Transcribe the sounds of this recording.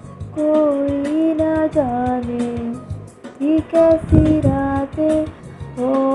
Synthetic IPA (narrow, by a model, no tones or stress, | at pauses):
koinad͡ʒaːne | t̪ʰiːkɛsiɾaːt̪eɦo